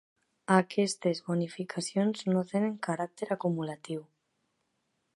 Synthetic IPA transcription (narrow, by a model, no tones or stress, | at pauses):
akʰɛst̪ezβonifikʰasjonznot̪eneŋkaɾak̚t̪eɾakumulat̪iw